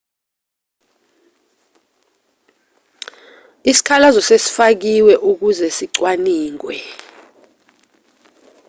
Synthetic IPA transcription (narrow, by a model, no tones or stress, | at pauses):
isi̥kʰalazɔsesi̥fak̬iwɛʔuk̬uzɛsiǀwaniːŋwɛ